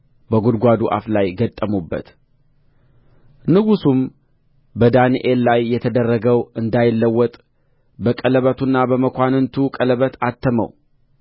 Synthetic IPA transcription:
bəɡud̪ɡʷad̪uʔa̰flajɡət̪ʼːəmubːə̰t̪ | nɨɡusum | bəd̪aniʔelːajːɛt̪ʰəd̪ərːəɡəwɨnd̪ajɪlːəwːɔt̪ʼ | bəkʼələβət̪ʰunːabəməkʷanɨnt̪ʰukʼələβət̪ʰat̪ʰːəmə̰w

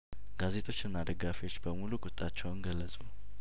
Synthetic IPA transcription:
ɡ̥aze̞t̪ʰʼo̞t͡ʃːɨnːad̪əɡafiwo̞t͡ʃːbəmulukʼʊt̪ʼːat͡ʃːɛwnɡəlːəsʼu

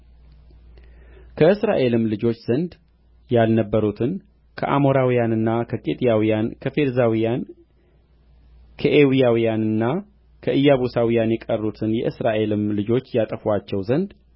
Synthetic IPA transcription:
kʰəɨsɾa̰ʔe̞lɨmlɨd͡ʒo̞t͡ʃːz̥ənd̪ | jalnəbːəɾut̪ʰɨn | kʰəʔa̰mo̞ɾawijanɨnːakʰəkʼet̪ʼijawijankʰəfe̞ɾzawijan | kʰəʔewijawijanɨnːa | kʰəʔɨjːaβusawijanjɛkʼərːut̪ʰɨnjɛ̰ʔɨsɾaʔe̞lɨmlɨd͡ʒo̞t͡ʃːjat̪ʼəfat͡ʃːɛwzənd̪

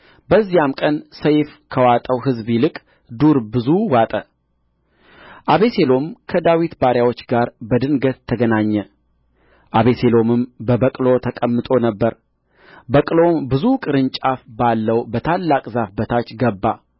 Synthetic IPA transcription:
bəzːijamkʼənsəjfkʰəwat̪ʼəwɦɨzbilɨkʼ | d̪uɾbɨzuwat̪ʼə | ʔaβe̞se̞lo̞mkʰəd̪awit̪baɾjawo̞t͡ʃːɡaɾbəd̪ɨnɡət̪ʰːəɡənaɲːɛ | ʔaβeselo̞mɨmbəbəkʼlo̞t̪ʰəkʼəmːɨt̪ʼo̞nəbːəɾ | bəkʼlo̞mbɨzukʼɨɾɨnt͡ʃʼafbalːəwbət̪ʰalːakʼzafbət̪ʰat͡ʃːɡəbːa

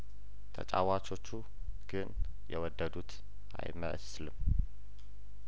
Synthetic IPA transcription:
t̪ʰə̰t͡ʃʼa̰wat͡ʃʰo̞t͡ʃːu | ɡ̥ɨn | jɛ̰wɔd̪ːəd̪ut̪ | ʔa̰jmə̰ʔslɨm

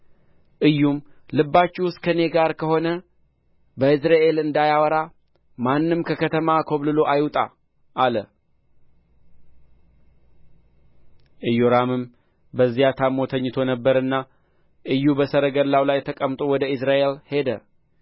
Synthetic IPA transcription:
ʔɨjːumlɨbːat͡ʃːuwʊst̪ʼkʰəne̞ɡaɾkʰəho̞nə | bəɨs̬ɾaʔe̞lɨnd̪ajawəɾa | manːɨmkʰəkʰət̪ʰəmakʰo̞βlɨlo̞ʔajwt̪ʼa̰ | ʔːlə | ʔɨjoɾamɨm | bəzːijat̪ʰamːo̞t̪ʰəɲːɨt̪ʰo̞nəbːəɾɨnːa | ʔɨjːubəsəɾəɡəlawlajt̪ʰəkʼəmt̪ʼo̞wɔd̪əɨsɾaʔe̞lhe̞d̪ə

